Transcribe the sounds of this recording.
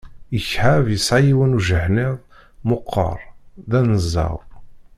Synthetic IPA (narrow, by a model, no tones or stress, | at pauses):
jəçħavjəsʕajiwənuʒəhnɪðˤ | mʊqʰːə̰ɾˤðænəzːɑ̰ðˤ